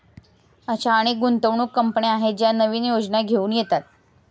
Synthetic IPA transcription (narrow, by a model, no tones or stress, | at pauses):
aɕaːɽ̃iɡunt̪əʋɳuːkːəmpəneaɦet̪̚d͡ʑjanəʋiːnjod͡znaɡʱeuːnjet̪at̪̚